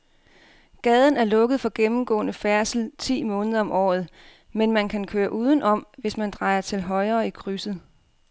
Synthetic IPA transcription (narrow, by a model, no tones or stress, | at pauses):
ɡ̥ɛːð̞ˠən̩æɐlɔ̽ɡ̥əð̞̩ˠfɒ̽ɡ̥emm̩ɡ̥ɔ̰̽ːnəfæɐsl̩t͡sʰḭːmɔ̽ːnəðˠɐɒ̽mʔɒ̰ːð̞̩ˠ | menmænkʰænkʰøːɐʔuːð̞ˠn̩ʔɒ̽m̰ʋe̝smænd̥ʁɑ̈ɪɐt͡sʰe̝lɦɒ̽ɪɐːikʰʁysð̩ˠ